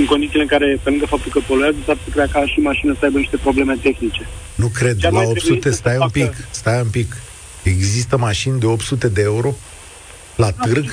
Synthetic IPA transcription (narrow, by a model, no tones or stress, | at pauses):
ɨŋko̞nd̪isileɨŋkaɾe̞pe̞lɨŋɡəfap̚t̪ulkəpo̞luazəfaɾsəkɾeakaʃimaʃinəsəajbəniʃt̪e̞pɾo̞ble̞me̞t̪e̞xnit͡ʃe̞ | nukɾe̞d̪laopt̪ssut̪e̞st̪ajɨmpikst̪ajɨmpik | e̞ɡzist̪əmaʃind̪e̞o̞pt̪sut̪e̞d̪e̞euɾo̞ | lat̪ɨrɡ